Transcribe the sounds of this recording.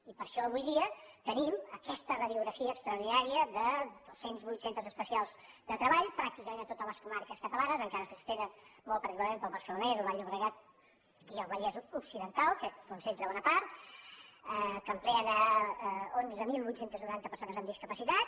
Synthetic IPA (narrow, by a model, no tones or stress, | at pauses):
ipəɾʃɔəβujðiət̪əniməkɛst̪ərəðiuɣɾəfiəːkst̪ɾəuɾð̞inaɾiəðəd̪osenzβujt̪sent̪əzəspəsialˠz | d̪ət̪ɾəβaʎpɾak̚t̪ikəmẽnət̪ot̪ələskumaɾkəskət̪əlanəzəŋkaɾəsəsst̪enənmɔlˠpəɾðikualˠmẽmpəlˠβəɾsəlunɛzəlˠβaʎuβɾəɣat̪̚ | iəlˠβəʎɛzuksiðənt̪alˠkəkunsent̪ɾəβɔnəpaɾt̪ | əkəmplɛəðə | onzəmilˠβujt̪sent̪əznuɾant̪əpəɾsonəzəmd̪iskəpəsit̪at̪